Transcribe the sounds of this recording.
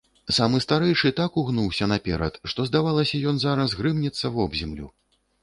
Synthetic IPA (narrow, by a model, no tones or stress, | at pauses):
samɨst̪aɾɛjʂɨt̪akuɣnuwsʲɐnapʲɛ̰ɾɐ̰t̪ʂt̪ɔzd̪avalˠɐsʲɐjɔnzaɾɐsɣɾɨmnʲit̪sːɐvɔbzʲɛmlʲṵ